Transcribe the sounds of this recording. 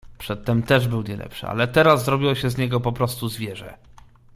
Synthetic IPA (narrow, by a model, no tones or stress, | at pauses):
pʂɛt̪ːɛmt̪ɛʐbɘwɲɛlɛ̰pʂɘ̰a̰lɛt̪ɛɾazːɾɔbʲiwɔɕɛzɲɛɡɔpɔpɾɔst̪uzvʲjɛʐɛ̰